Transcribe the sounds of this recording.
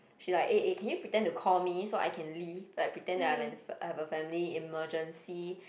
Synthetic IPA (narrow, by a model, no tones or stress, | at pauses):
ʃilaɪkeʔekʰɛ̃njupɹitɛ̃ntukʰɔlmisoʔa̰jkʰɛ̃nlibəajpɹitɛ̃ndɛajvɛ̃nahɛvəfɛ̃mliiməd͡ʒə̃nsi